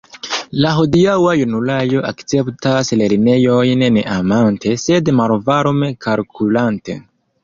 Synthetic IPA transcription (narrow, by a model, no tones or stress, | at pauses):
laɦo̞diawajunulajo̞ʔa̰kt͡se̞ptasle̞ɾine̞jo̞jnːeʔamante̞se̞dmalvaɾomekalkʰulante̞̰